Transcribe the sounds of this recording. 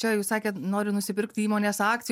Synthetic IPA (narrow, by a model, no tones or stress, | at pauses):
t͡ʃʲɛjuːsɑːkʲeːt̪noːɾʲɪnʊsʲɪpʲɪɾkt̪ʲiːmoːnʲeːsɑːk̚t̪ʲɪj